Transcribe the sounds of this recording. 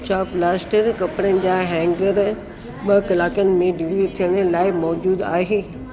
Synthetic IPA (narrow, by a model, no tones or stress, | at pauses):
t͡ɕaːplaːsʈəɾkɐpɽənɪ̆d͡ʑaːɦɛ̃ːŋɡəɾ | ɓɐkɐlaːkənɪ̆mẽɖiːɾit̪ʰijəñlaːɪmɔːd͡ʑuːd̪aːɦeː